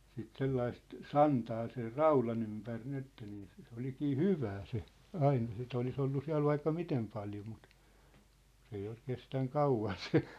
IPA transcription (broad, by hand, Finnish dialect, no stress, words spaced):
sit selːɑist sɑntɑː ser rɑulɑn ympær nin etːæ niː se se olikiː hyʋæː se ɑine sit olis olːu siæ̝l ʋɑikːɑ mitem pɑljo mut s ei ol kestæŋ kɑuʋɑn se